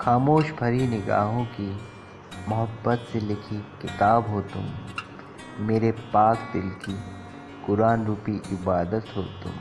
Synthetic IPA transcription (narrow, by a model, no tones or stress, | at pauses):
xaːmoːʃbʱɐɾinɪɡa̰ːɦõki | mʊɦəbːət̪selɪkʰikɪt̪aːbɦoːt̪ʊ̰m | meːɾepaːkd̪ɪlki | kʊɾaːnɾuːpiɪbaːd̪ət̪ɦoːt̪ʊ̰̃m